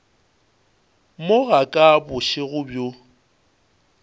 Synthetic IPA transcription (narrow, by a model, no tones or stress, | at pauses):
moɣakʼabʊʃɪɣʊbjo